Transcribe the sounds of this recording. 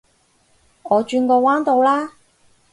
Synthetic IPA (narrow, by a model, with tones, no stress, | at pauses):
ŋɔː˨˧t͡ʃyː˧nkɔː˧waː˥nt̪o˨˧wlaː˥